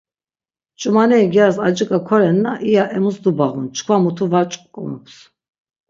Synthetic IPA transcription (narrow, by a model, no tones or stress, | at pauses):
t͡ʃʼumanɛiɡijaɾsad͡ʒikʼakʰɔɾɛnːaʔijaʔɛmusd̪ubaʁunt͡ʃʰkʰwamut̪ʰuvat͡ʃʼkʼkʼṵmpʰs